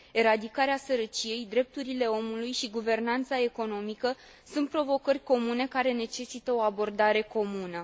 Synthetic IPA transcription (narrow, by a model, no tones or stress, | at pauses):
e̞ɾad̪ikaɾeasəɾət͡ʃije̞jd̪ɾe̞p̚t̪uɾile̞o̞mulujʃiɡuve̞rnant̪sae̞ko̞no̞mikə | sunt̪̚pɾo̞vo̞kərʲko̞mune̞kaɾe̞ne̞t͡ʃe̞sit̪əo̞abo̞rd̪aɾe̞ko̞munə